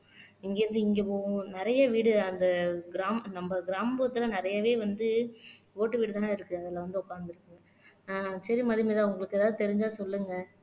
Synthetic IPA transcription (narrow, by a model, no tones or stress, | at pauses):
ɪŋɡeːɾɯnd̪ɯɪŋɡepõːnɪɾɐjɐʋiːɽɯɐnd̪ɐɡɪɾaːmnɐmbɐɡɪɾaːmboːt̪ːɪlɐnɪɾɐjɐʋeːʋɐnd̪ɯ | oːʈːɯʋiːɽɯt̪aːnːɪɾɯkːɯɐðɪlɐʋɐnd̪ɯʊkːaːnd̪ɪɾɯkːɯŋɡɐ | sɐɾimɐðɪmeːðãɐʋʊŋɡɐɭɯkːɛðaːʋðɯt̪ɛɾɪɲd͡ʒaːsɔlːɯŋɡɐ